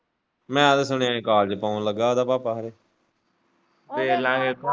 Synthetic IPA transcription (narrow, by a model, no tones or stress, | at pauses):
mɛ̃ːəd̪sʊɳeãːẽːkaːld͡ʒepaːũləɡːaːoːd̪aːpaːpaːɦəɾeː | teːlãːɦeːt̪ː